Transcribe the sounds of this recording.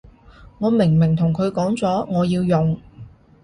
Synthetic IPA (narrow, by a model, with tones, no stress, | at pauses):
ŋɔː˨˧mɪ˨˩ŋmɪ˨˩ŋt̪ʰʊ˨˩ŋkʰɵ˨˧ɥkɔː˨˥ŋt͡sɔː˨˥ŋɔː˨˧jiː˧wjʊ˨ŋ